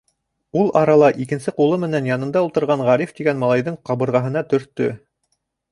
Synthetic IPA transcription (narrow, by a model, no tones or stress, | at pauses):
ulˠɑɾɑlˠɑʔikɘ̆nsɘqulˠɤmɘ̆nænjɑnɤ̆nd̪ɑulˠt̪ɤ̆ɾʁɑɴʁæɾift̪iɡænmɑlˠɑjðɤɴqɑβɤ̆ɾʁɑɦɤ̆nɑt̪ɵ̆ɾt̪ːɵ̰